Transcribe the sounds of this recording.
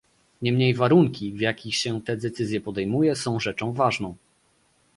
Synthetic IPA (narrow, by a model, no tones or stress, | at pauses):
ɲɛmɲejvaɾuŋkʲivjakʲixɕɛt̪ɛd̪ɛt̪sɘzʲjɛpɔd̪ɛjmujɛsɔ̃w̃ʐɛt͡ʂɔ̃w̃vaʐnɔ̃w̃